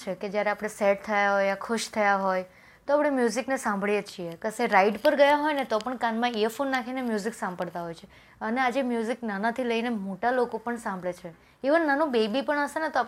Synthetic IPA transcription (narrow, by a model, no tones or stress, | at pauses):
t͡ʃʰeked͡ʒjaɾeapɽ̃eseʈ̚t̪ʰəjaɦojakʰʊʃt̪ʰəjaɦoj | t̪oapɽ̃emjuziknesãmbʱɭjet͡ʃʰiekəseɾaiɖpəɾɡəjaɦɔjnet̪opəɳkãnmãifonːakʰinemjuziksãmbəɽt̪aɦɔjt͡ʃʰe | ənead͡ʒemjuziknanat̪ʰiləinemoʈalokopəɳsãmbʱɭet͡ʃʰe | eʋənnanũbebipəɳəsenet̪oa